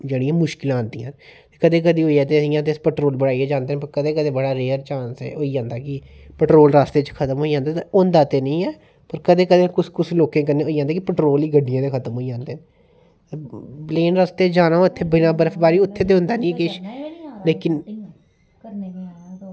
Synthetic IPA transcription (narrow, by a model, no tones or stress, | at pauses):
d͡ʒeːɽiːãːmʊʃkɪlãːnd̪ĩãːt̪eːkəd̪eːk̬əd̪iːɦoːiaːt̪eːəsiːãːt̪̬eːspɛːʈɾoːlbəɽaːiɛːd͡ʒãːnd̪eːnːpəɾkəd̪ẽːkəd̪eːbəɽaːɾeːəɾt͡ʃãːnsɛ̰ːoːiːd͡ʒãːnd̪aːkɪ | pəʈɾoːlɾaːst̪eːt͡ʃəkʰət̪əmɦoːiːd͡ʒãːnd̪aːt̪ːʊ̃nd̪aːt̪eːnəĩːɛː | pəɾkəd̪ẽːkəd̪eːkʊskʊsloːkẽːkəneːoːiːd͡ʒãːnd̪aːkɪpəʈɾoːliːɡəɖːɪjãːt̪eːkʰət̪əmɦoːiːd͡ʒãːnd̪eːn | bleːnɾaːst̪eːd͡ʒaːnãːɪt̪ʰːeːbɪnãːbəɾəfbaːɾiːʊt̪ʰːeːt̪eːɦʊ̃nd̪aːnĩːkɪʃleːkɪn